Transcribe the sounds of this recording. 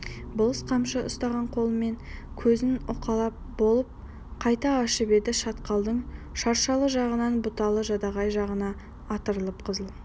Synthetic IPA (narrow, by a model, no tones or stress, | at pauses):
bʊlˠəsqʰɑmʃəʊ̰st̪ɑʁɑɴqʰo̞lˠəme̞ŋ | kʲʰɵzɪnʊqɑlˠɑp̚bo̞lˠəp̚ | qʰɑjt̪ɑːʃəbe̞d̪ɪʃɑt̪qɑlˠd̪əɴʃɑɾʃɑlˠəʒɑʁənɑnbʊt̪ɑlˠəʒɑd̪ɑʁɑjʒɑʁənɑː | t̪əɾəlˠəpqʰəzəlˠ